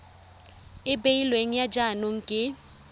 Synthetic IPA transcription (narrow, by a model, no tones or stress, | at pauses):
ɪbeilweŋ̩jad͡ʒanʊŋ̩kʼɪ